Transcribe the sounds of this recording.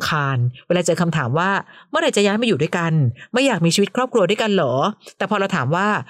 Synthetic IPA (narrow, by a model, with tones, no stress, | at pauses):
kʰaː˧nweː˧laː˧t͡ɕɤː˧kʰa˧mt̪ʰaː˩˦mwaː˥˩mɯ˥˩ɐɾa˧˥jt͡ɕa˨˩jaː˦˥jma˧ju˨˩du˥˩jka˧nma˥˩jːaː˨˩k̚miː˧t͡ɕiː˧˦˥t̪̚kʰɾɔː˥˩p̚kʰɾu˧du˥˩jka˧nlɔː˩˦t̪ɛː˨˩pʰɔ˧ɾa˧wt̪ʰaː˩˦mwaː˥˩